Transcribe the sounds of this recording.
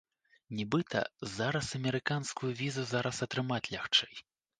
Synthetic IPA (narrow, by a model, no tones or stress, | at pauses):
nʲɛbɨt̪ʰɐ̰zaɾɐsɐmʲɛɾɨkanskujuvʲizuzaɾɐsɐt̪ɾɨmat͡sʲlʲaxt͡ʂɛj